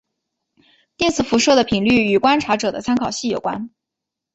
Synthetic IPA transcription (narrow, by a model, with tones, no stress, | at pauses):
t̪i˥˩nt͡sʰɹ̩˨˩fu˧˥ʂɤ˥˩d̪ə˩pʰi˨˩ŋly˥˩y˨˩kwa˥nʈ͡ʂʰa˧˥ʈ͡ʂɤ˨˩d̪ə˦t͡sʰa˥nkʰɑ˨˩ʊɕi˥˩jo˨˩kwa̰˥n